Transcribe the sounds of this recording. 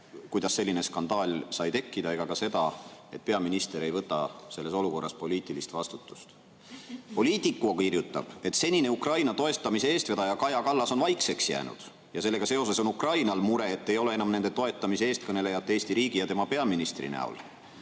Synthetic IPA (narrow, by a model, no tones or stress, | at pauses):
kujd̪̥ɑsːe̞lʲːine̞skɑnd̪ɑːlʲsɑjt̪e̞kːid̪̥ɑe̞ɡ̥ɑkɑse̞d̪̥ɑe̞t̪̚pe̞ɑminist̪e̞ɾe̞jvɤt̪ːɑse̞lːeso̞luko̞rːɑspo̞lʲiːt̪ilist̪vɑst̪ut̪ːˑu̥st̪ | po̞liːt̪ːˑikːˑukirjut̪ːˑɑ̰b̥e̞t̪se̞nʲine̞ukrɑjnɑt̪o̞e̞t̪ːˑɑmise̞eːst̪ved̪ɑjɑkɑjɑkɑlːɑso̞nvɑjkse̞ksjæ̰ːnṵd̪̥ | jɑse̞lːe̞ɡ̥ɑse̞o̞se̞so̞nukrɑjnɑlmuɾe̞ːt̪ːe̞jo̞le̞enɑmne̞nd̪e̞t̪o̞e̞t̪ːˑɑmiseeːst̪kɤne̞le̞jɑt̪ːeeːst̪iɾiːɡijɑt̪e̞mɑpe̞ɑminist̪rḭnæ̰ṵl